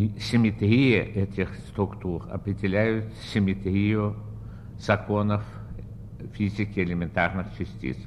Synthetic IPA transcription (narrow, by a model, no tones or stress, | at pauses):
sʲɪmʲɪt̪ɾʲijəʔɛtʲɪxst̪ɾʊkt̪urɐ̰pɾʲɪdʲɪlʲæjʊt̪sʲɪmʲɪt̪ɾʲijʊ | z̥ɐkonəf | fʲizʲɪkʲɪɛlʲɪmʲɪnt̪arnɨxt͡ʃɪsʲtʲḭs